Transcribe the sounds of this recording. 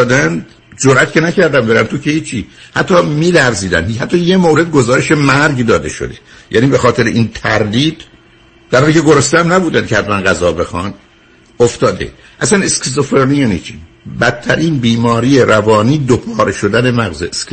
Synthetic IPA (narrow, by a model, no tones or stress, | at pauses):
d̪ænd̪ | d͡ʒoɾʔæt̪cʰe̞næcæɾd̪æmbe̞ɾæ̰nt̪ʰucʰehiːt͡ʃʰihæt̪ʰːɒːmiːlæɾziːd̪æ̰nd̪hæt̪ʰːɒːje̞moɾe̞d̪̚ɡo̞zɒːɾe̞ʃe̞mæɾɟd̪ɒːd̪e̞ʃo̰d̪e̥ | jʔæniːbe̞xɒːt̪ʰe̞ɾeʔint̪ʰæɾd̪iːd̪̥ | d̪̥æɾɒːnicʰe̞ɡo̞ɾost̪eæmnæbuːd̪ænd̪cʰehæt̪mænʁæzɒːbe̞xɒn | oft̪ɒːd̪ḛ | ʔæsæneskzofeɾnijænit͡ʃʰi̥ | bæt̪̚t̪ʰːæɾiːnbiːmɒːɾiːjeɾʔævɒːniːd̪opʰɒːɾeʃo̞d̪æne̞mæɣzesk